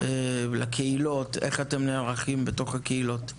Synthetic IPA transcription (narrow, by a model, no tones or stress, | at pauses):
elakʰeilo̞teχate̞mneaʁaχimbeto̞χhakeilo̞t